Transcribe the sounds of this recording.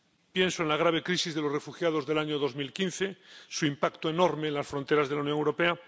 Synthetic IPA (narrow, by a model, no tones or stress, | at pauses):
pjẽ̞nsoenlaɣ̞ɾaβ̞e̞kɾisizðe̞lorefuxjað̞o̞zðe̞laɲoðo̞zmilkin̟θe̞suimpakt̪oeno̞ɾmeːnlasfɾont̪e̞ɾazðelaunjoŋewɾo̞pe̞a